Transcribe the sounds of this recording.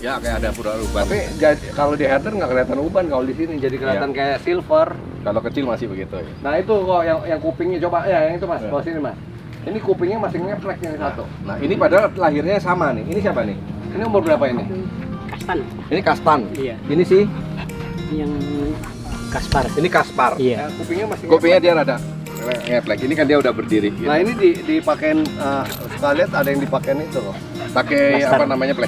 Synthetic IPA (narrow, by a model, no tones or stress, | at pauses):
jakajaːdapudalubaapid͡ʒadkalodiaɦat̪ərŋɡaʔkəliat̪anubankaodisinid͡ʒadikəliat̪ankajaʔsilfər | kalokət͡ʃɪlmasɪhbəɡit̪ṵja̰nahit̪ukajaŋjaŋkupɪŋɲat͡ʃobajajaŋit̪umasbaasinimas | inikupɪŋɲamasɪŋɛflɛk̚jaŋisat̪u | naɦinipadalaɦɪrɲasamanɪinis̬iapanɪhiniumʊrbəɾapainɪkast̪an | inikast̪anainisɪh | jaŋ | kasparinikasparajakopɪŋɲamasɪŋkopiŋɲadiaɾada | lɛŋɛplɛkinikandiaudahbərdiɾiɡiainididipakɛnə | səkaliat̪adajaŋdipakenit̪u | pakɛjapanamaɲaplɛk̚